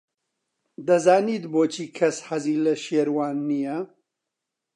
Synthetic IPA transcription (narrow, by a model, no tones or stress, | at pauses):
d̪ɐzaːniːt̪boːt͡ʃʰiːkʰɐshɐziːlɐʃeːɾwaːnːijɐ